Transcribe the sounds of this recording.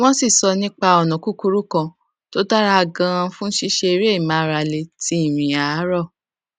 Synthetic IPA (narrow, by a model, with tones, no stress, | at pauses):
w̃ɔ̃˦si˦˨sɔ˧nĩ˦k͡pa˧ɔ˨nã˨ku˦ku˦ɾu˦kã˧ | to˦da˦ɾa˦a˧ɡã˧ɾ̃ã˧fũ˦ʃi˦ʃe˧i˧ɾe˦i˦˨mã˨˦˨ɾa˧le˧ti˦i˦˨mĩ˨a˨˦ɾɔ˦˨